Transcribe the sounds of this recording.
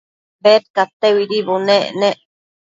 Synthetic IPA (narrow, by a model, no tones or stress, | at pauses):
beɾkat̪ːewiɾiboneneʔ